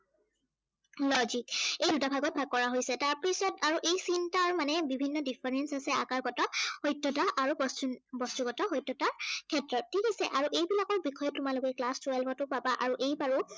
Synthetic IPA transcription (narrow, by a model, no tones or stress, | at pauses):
lɔzikejdutabʱaɡɔt̚bʱaɡ̚kːɔɹaɦojsɛtaɹpɹisɔtaɹuʔejsintaɹmanɛbibʱinːɔdipʰɛɹɛnsasɛakaɹɡɔtɔhɔjtɹɔtaʔaɹubɔstbɔstuɡɔtɔɦɔjtːɔtakʰɛtɹɔtʰːikasɛʔaɹuʔejbilakɔɹbixɔjɔtʊmalʊkɛklastuɛlpʰɔtʊpabaʔaɹuʔejbaɹu